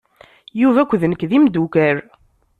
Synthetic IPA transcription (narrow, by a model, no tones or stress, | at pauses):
juvækʷːðnəkːðimd̪ukæɾ